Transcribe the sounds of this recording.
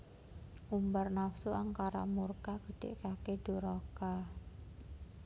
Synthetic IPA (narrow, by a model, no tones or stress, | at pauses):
ʔumbarnafsuʔaŋkaɾa̰murkaɡ̥əɖ̥ḛʔkaked̥uɾoka